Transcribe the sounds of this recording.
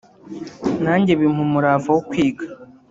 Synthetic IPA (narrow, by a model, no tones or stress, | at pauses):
naːɲɟeβim̥umuɾaːvawokwiːɡa